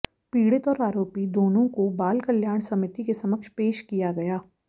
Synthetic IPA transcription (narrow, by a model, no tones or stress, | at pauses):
piːɽɪt̪ɔːɾaːɾoːpid̪oːnõkobaːlkɐljaːɽ̃sɐmɪt̪ikesɐməkʃpeːʃkijaɡɐjaː